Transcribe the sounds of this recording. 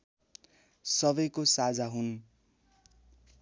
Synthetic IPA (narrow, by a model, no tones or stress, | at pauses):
sʌbʌjkosad͡zaɦun